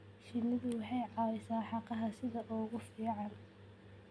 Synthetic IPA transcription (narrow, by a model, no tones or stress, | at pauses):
ʃɪnɪðʊwɑħɑjʕɑwɛsaːħɑqɑɦɐsɪðɐʔʊːɣʊfiːʕɑn